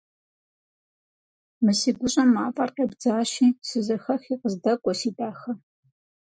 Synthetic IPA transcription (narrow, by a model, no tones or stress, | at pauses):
mɨsiːɡʷʊɕʼɐmːaːpʼaːrqebd͡zaːʃiːsɨzɐxɐxiːqəzdɐkʷʼɔsiːdʼaːxɐ